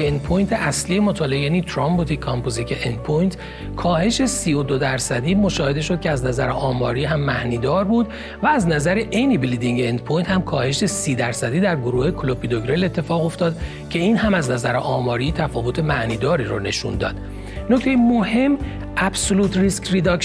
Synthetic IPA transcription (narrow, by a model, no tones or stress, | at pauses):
end̪pʰojnt̪ʰeʔæslijemot̪ʰɒːleejænit̪ʰɾɒmbot̪ʰikʰɒmpozikʰeʔend̪̚pʰojnt̪ʰ | kʰɒːhe̞ʃe̞siːod̪od̪æɾsæd̪iːmo̞ʃɒːhe̞d̪e̞ʃo̞d̪̥̚kcʰeæznæzæɾeʔɒːmɒːɾiːɦæmːæhniːd̪ɒːɾbuːd̪ | væːznæzæɾeʔe̞jnibilid̪iŋɟeend̪̚pʰojnt̪hæmkʰɒːhe̞ʃe̞siːd̪æɾsæd̪iːd̪æɾɡoɾuːhe̞kʰolopʰid̪oɡɾelet̪ʰːe̞fɒːɣo̞ft̪ɒːd̪ | cʰe̞iːnhæmæznæzæɾeʔɒːmɒːɾiːt̪ʰæfɒːvot̪ʰe̞mæhniːd̪ɒːɾiːɾone̞̰ʃṵnd̪ɒ̰ːd̪ | noct̪e̞jemohe̞mː | ʔæbsoluːt̪ʰriskʰɾed̪ɒk